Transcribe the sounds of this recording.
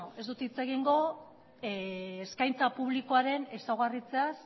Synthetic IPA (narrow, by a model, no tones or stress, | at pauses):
e̞zd̪ut̪it͡se̞ɣ̞iŋɡo̞ | eskajnt͡sapuβ̞liko̞aɾe̞nesawɣ̞arit͡se̞as